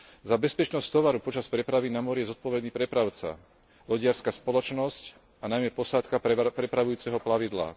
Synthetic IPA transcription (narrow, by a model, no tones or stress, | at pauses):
zabɛspɛt͡ʃnɔsct̪ɔʋaɾupɔt͡ʃaspɾɛpɾaʋinamɔɾijɛzɔt̪̚pɔʋɛd̪niːpɾɛpɾaʊt͡sa̰ | lɔɟɪaɾskaspɔlɔt͡ʃnɔsc | anajmɛpɔsat̪kapɾɛpɾaʋujuːt͡sɛɦɔplaʋid̪la̰